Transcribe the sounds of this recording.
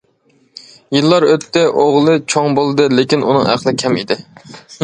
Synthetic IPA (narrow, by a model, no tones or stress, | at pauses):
jɨlˠːɑɾøt̪ːɛʔoʁlˠɨt͡ʃʰoŋbolˠɨd̪ɨlekʲinunɨ̰ŋæ̰qlˠɨkʲʰɛmḭd̪ɪ